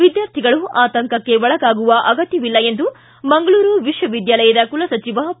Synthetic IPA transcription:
ʋid̪jaːɾt̪ʰiɡɐɭuaːt̪ɐŋkɐkːe̞ʋɔɭɐɡaːɡuʋɐʔɐɡɐt̪jɐʋilːɐe̞nd̪u | mɐŋɡɐɭuːɾuʋiʂʋɐʋid̪jaːlɐjɐd̪ɐkulɐsɐt͡ʃiʋɐ

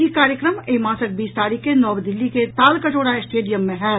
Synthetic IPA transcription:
ikaːɾjəkɾəmeːmãːsəʈ̚biːst̪aːɾiːkːenɔːbd̪ɪlːiket̪aːlkɐt͡ʃoːɽaesʈeːɖijəmːẽɦɛː

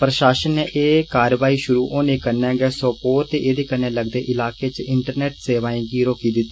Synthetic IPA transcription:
pɾəʃaːʃənːeːʔeːkaːɾʋaːiːʃʊɾuːʔoːneːkəɾnɛ̃ːɡɛːsɔːpoːɾt̪eːʔeːd̪eːkənːeːləɡd̪eːʔɪlaːkeːt͡ʃɪɳʈəɾnɛːʈseːʋaːĩːɡiːɾoːkiːd̪ɪt̪ːiː

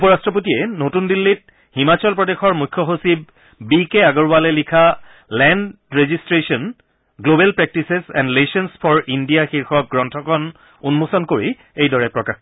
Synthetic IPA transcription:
upɔɹastɹɔp̬otiɛnotundilːit̚ | himat͡ɕɔlpɹɔdexɔɹmujkʰːjɔxosib | bikeaɡɔɹbalɛlikʰa | lɛnd | ɹezistɹesɔn | ɡlobɛlpɹɛk̚tisesɛ̰ndlesɔnspʰɔɹʔindijaxiɹxɔk̚ɡɹɔntʰɔkɔn | unmusɔnkoɹi | ejdɔɹɛpɹɔkax

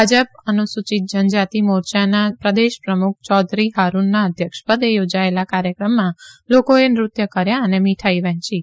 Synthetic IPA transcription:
bʱad͡ʒəp̚ənusut͡ʃit̪̚d͡ʒənd͡ʒat̪imoɾt͡ʃanapɾəd̪eʃpɾəmuk̚ʰt͡ʃɔd̪ɾiɦaɾunːaəd̪ʱjəkʃpəd̪ejod͡ʒaelakaɾjəkɾəmːãlokoenɾʊt̪jəkəɾjaənemiʈʰaiʋə̃ɦt͡ʃi

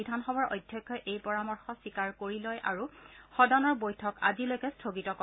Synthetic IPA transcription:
idʱanxɔbaɹo̰jdʱjɔkʰːɔʔejpɔɹamɔɹxɔsikaɹkoɹilɔjʔa̰ɹuxɔdanɔɹbojtʰɔka̰zilojkɛstʰoɡitɔkɔ

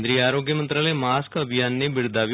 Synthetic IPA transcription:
d̪ɾiːaːɾoːɡjəmə̃nt̪ɾaːləmaːskəbʱɪjaːnːeːbɪɽd̪aːʋ

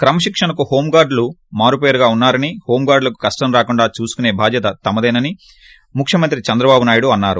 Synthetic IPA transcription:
kɾɐmɐʃikʂɐɳɐkuho̞ːmɡaːɾɖlumaːɾupeːɾuɡaːunːaːɾɐniho̞ːmɡaːɾɖlɐku̥kɐsʈɐmɾaːkuɳɖaːt͡ʃuːsu̥kune̞ːbʱaːd͡ʒ̪jɐt̪ɐt̪ɐmɐd̪ɐjnɐni | mukʰjɐmɐnt̪ɾit͡ʃɐnd̪ɾɐbaːbunaːjuɽuɐnːaːɾṵ

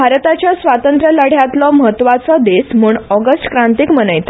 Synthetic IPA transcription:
bʱaɾt̪at͡ɕjasʋat̪ənt̪ɾələɽ̤jat̪lɔməɦət̪ːʋat͡sɔd̪esmuːɳɔɡəsʈkɾãnt̪ikmənəjt̪a

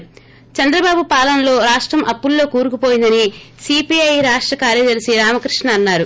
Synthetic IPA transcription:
t͡ʃɐnd̪ɾɐbaːbupaːlɐnɐlo̞ːɾaːʂʈɾɐmʔɐpːulːo̞ːkuːɾukupoːjind̪ɐnisiːpiɐjɾaːʂʈɾɐkaːɾjɐd̪ɐɾisiɾaːmɐkɾiʂɳɐːnːaːɾu

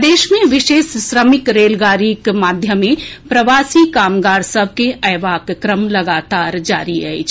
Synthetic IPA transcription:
d̪eːʃmẽʋɪʃeːssɾəmɪkɾeːlɡaːɾikmaːd̪ʱjəmẽpɾɐʋaːsikaːmɡaːɾsəb̚ʱkeʔɛːʋaːkkɾəmlɐɡaːt̪aːɾd͡ʒa̰ːɾiɛ̰ḭt͡ʃʰ

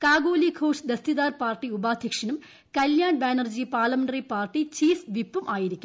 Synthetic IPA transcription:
kaːɡoːlikʰoːʂd̪est̪iðaːrpaːrʈːiubaːd̪ʱjɐkʂɐnum | kɐljaːɳbaːnɐrd͡ʑipaːrlɐmeɳɖɐripaːrʈit͡ɕiːfʋipːumʔaːjiɾikʲːum

